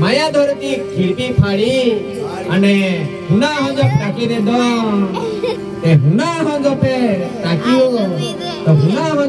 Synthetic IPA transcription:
majad̪ʱɔɾt̪ikʰiɾpipʰaɽi | əne | ɦũnaɦɔ̃nd͡ʒɔpɾakined̪ɔ̃ | t̪eɦunaɦɔ̃nd͡ʒɔpet̪akio | t̪ɔɦũnaɦɔ̃

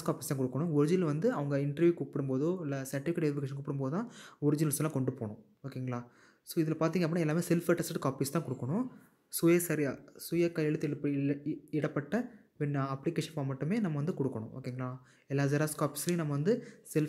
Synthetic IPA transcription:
skaːpist̪ãːkɔɽɯkːɐɳʊ̃ɔɾɪd͡ʒɪnɐlʋɐnd̪ɯɐʋɐŋɡɐɪɳʈɐɾʋjuːkuːpːɐɽɯmpoːðɯɪlːɐsɐɾʈɪfɪkeʈːɛɪfɪkeːʃɐnkuːpːɪɽɯmpoːðɯt̪ãːɔɾɪd͡ʒɪnɐlslːãːkɔɳɖɯpoːɳʊ̃ | oːkːeːŋɡɐɭaː | soːɪðɪlɐpaːɾt̪iŋɐpːnːaːɛlːaːmeːsɛlfɐʈːɐsʈkaːpist̪ãːkɔɽɯkːɐɳʊ̃ | sʊjesɐɾiasʊjɐkɐjɛlɐt̪ːpː | ɪɽɐpːɐʈːɐ | ʋɛnːɐɐplɪkeːʂɐnpaːmɐʈːɯmeːnɐmːɐʋɐnd̪ɯkɔɽɯkːɐɳʊ̃ʔo̰ːkːeːŋɡɐɭaː | ɛlːaːzɐɾaːskaːpisɐlj̃nɐmːɐʋɐnd̪ɯsɛl

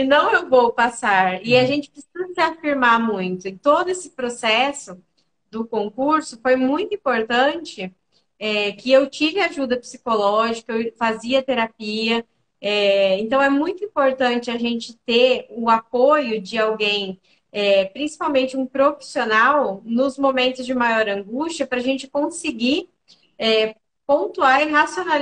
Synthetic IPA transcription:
ɪnɐ̃w̃ewvowpasaɾɪaʒẽnt͡ʃɪ̥pɾɪsizɐsɪafiɾmamũj̃t̪ʊẽt̪od̪ʊesɪ̥pɾosɛsʊ | d̪ʊkõkuɾsʊfojmũj̃t̪ʊĩpoɾt̪ɐ̃t͡ʃɪ | ɛkɪewt͡ʃivɪaʒud̪ɐpsi̥kolɔʒikɐewfaziɐt̪eɾapiɐ | ɛẽnt̪ɐ̃w̃ɛmũj̃t̪ʊĩpoɾt̪ɐ̃nt͡ʃɪaʒẽnt͡ʃɪt̪eʊapojʊd͡ʒɪawɡẽj̃ | ɛpɾĩsi̥pawmẽnt͡ʃɪũpɾofi̥sionawnʊzmomẽnt̪ʊzd͡ʒɪmajɔɾɐ̃ŋɡust͡ʃɐpɾɐaʒẽnt͡ʃɪ̥kõsɪɡi | ɛ | põnt̪uaɾɦasional

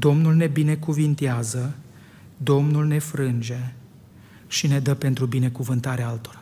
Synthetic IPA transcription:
d̪o̞mnulne̞bine̞kuvint̪eazə | d̪o̞mnulne̞fɾɨnd͡ʒe̞ | ʃine̞d̪əpe̞nt̪ɾubine̞kuvɨnt̪aɾeaalt̪o̞ɾa

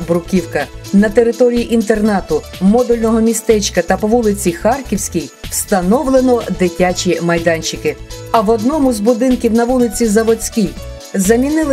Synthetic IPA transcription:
bɾʊkʲiwkɐnɐt̪eɾɪt̪ɔɾʲijiʔint̪e̞rnɑt̪ʊmɔd̪ʊlʲnɔɦɔmʲist̪ɛt͡ʃkɐt̪ɐpɔʋulˠɪt͡sʲixɑrkʲiwsʲkʲijw̥st̪ɐnɔwlˠenɔd̪ɪtʲat͡ʃʲimɐjd̪ɑnʲt͡ʃɪkɪɐʋɔd̪nɔmʊzbʊd̪ɪnkʲiwnɐʋulˠɪt͡sʲizɐʋɔt͡sʲkʲij | zɐmʲinɪlˠ

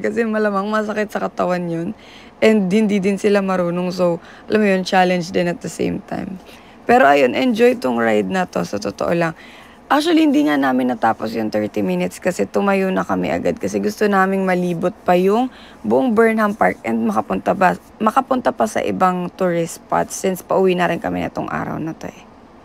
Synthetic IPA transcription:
kɐsɛmɐlamaŋmɐs̬ɐkɛt̪̚sɐkɐt̪ɐwanjon | ʔɛnd̪̚hɪnd̪id̪ɪnsɪlamɐɾuːnoŋsow | ʔɐlʔamːojont͡ʃalɛnd͡ʒd̪ɪnɐt̪̚d̪ɐsḛjmt̪a̰jm | pɛːɾo̞ʔɐjo̞nʔɐʔɛnd͡ʒo̞jt̪oŋɹajd̪̚nɐt̪o̞sɐt̪ot̪oʔo̰lɐŋ | ʔak̚t͡ʃʊwɐlihɪnd̪iːŋanaːmɪnːɐt̪aːpo̞sjʊŋt̪ɛɹt̪imɪnɪt̪skɐsɛt̪ʊmɐjʊnɐkɐmɛ̰ʔɐ̰ɡad̪̚kɐsɛɡʊst̪onaːmɪŋmɐliːbot̪̚pɐjʊŋ | bʊʔoŋbɛɹnhɐmpaɹkʔɛnd̪̚mɐkɐpʊnt̪abɐ | mɐkɐpʊnt̪apɐsɐ̰ʔɪ̰baŋt̪uɹɪspa̰t̪sːɪnspɐʔʊwiːnɐɾɪnkɐmɛnɛ̰t̪o̰ŋʔa̰ːɾɐ̰wnɐt̪o̞̰ʔɛ

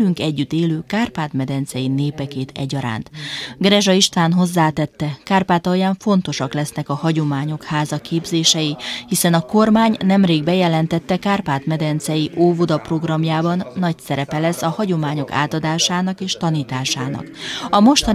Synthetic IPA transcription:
yŋkɛɟːyt̪ːeːløːkaːrpaːt̪mɛd̪ɛnt̪sɛjineːpɛkeːt̪ɛ̰ɟɒɾa̰ːnt̪ɡrɛʒɒiʃt̪ʋaːnɦo̞zːaːt̪ɛt̪ːɛkaːrpaːt̪ɒjaːɱfo̞n̪t̪o̞ʃɒklɛsnɛkɒhɒɟo̞maːɲo̞khaːzɒkeːbzeːʃɛjihisɛnɒko̞rmaːɲnɛmreːɡbɛjɛlɛnt̪ɛt̪ːɛkaːrpaːt̪mɛd̪ɛnt̪sɛjiʔoːvod̪ɒpro̞ɡrɒmjaːbɒnːɒcsɛɾɛpɛlɛsːɒhɒɟo̞maːɲo̞ka̰ːt̪ɒd̪aːʃaːnɒkeːʃt̪ɒniːt̪aːʃaːnɒ̰kɒmo̞ʃt̪ɒ

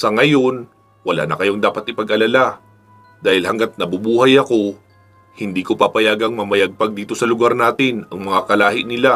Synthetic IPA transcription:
sɐŋɐjo̞n | wɐla̰ːnɐkɐjo̞ŋd̪aːpɐt̪ʔɪpɐɡʔɐlala | d̪aːhɪlhɐŋɡat̪̚nɐbubuːhɐjɐko̞ | hɪnd̪iːkopapɐjaːɡɐŋmɐmɐjaɡ̚pɐɡ̚d̪iːt̪o̞sɐlʊɡaɾnaːt̪ɪnɐŋmɐŋakɐlaːhɪnɪla

